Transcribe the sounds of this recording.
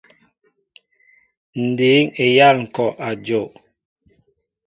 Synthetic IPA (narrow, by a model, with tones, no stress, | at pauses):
n̩˨di˨˦ŋe˨ja˦˨lŋ̩˨kɔ˨ʔa˨d͡ʒo˨ʔ